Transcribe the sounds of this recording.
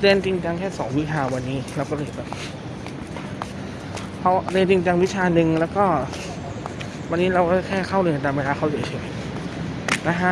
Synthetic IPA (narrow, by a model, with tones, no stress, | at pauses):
de˧nt͡ɕ̪i˧ŋt͡ɕa˧ŋkʰɛː˥˩sɔ̰ː˩˦ŋwi˦˥t͡ɕʰaː˧wa˧nːiː˦˥la˧˥wkɔː˥˩lɤː˧jbɛː˨˩p̚ | kʰa˦˥wleː˧t͡ɕ̪i˧ŋt͡ɕa˧ŋwi˦˥t͡ɕʰaː˧nɯ˧ŋlɛː˦˥wkɔː˥˩ | wa˧nːiː˦˥ɾa˧wkɔː˥˩a˧˩kʰɛː˥˩kʰa˥˩wlːn˧˩t̪aː˧mweː˧laː˧kʰa˦˥˩si˨˩˦t͡ɕʰi˧˩ŋ˧˩ | na˦˥kʰa˦˥